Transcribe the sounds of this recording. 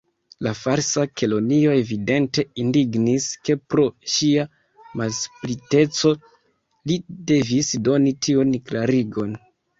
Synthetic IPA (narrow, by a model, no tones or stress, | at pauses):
lafaɾsakʰe̞lo̞nio̞e̞vide̞nte̞indiɡniske̞pɾo̞ʃia | malsplite̞t͡so̞ | lide̞visdo̞nitʰiunklaɾiɡo̞n